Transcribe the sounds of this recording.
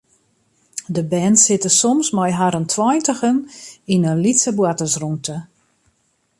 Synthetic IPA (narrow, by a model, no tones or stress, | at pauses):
dəbɛnsɪtəsɔmsmajɦaɾəntʰwɔjntəxəninənlitsəbwatəsruntʰə